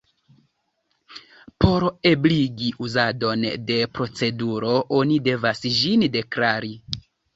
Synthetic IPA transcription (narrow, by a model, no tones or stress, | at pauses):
po̞ɾe̞bliɡiʔuzado̞nde̞pɾo̞t͡se̞duɾo̞ʔo̞nide̞vasʒinde̞klaɾi